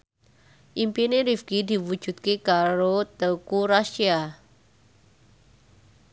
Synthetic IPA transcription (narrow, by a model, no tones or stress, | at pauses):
ʔimpineɾifɡ̥id̪i̤wu̥ʒ̥ṳt̪̚kekaɾot̪əkuɾaʃia